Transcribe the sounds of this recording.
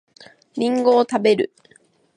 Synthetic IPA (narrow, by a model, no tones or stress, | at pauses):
ɲʲĩŋɡo̞ːt̪abe̞ɾɯ̟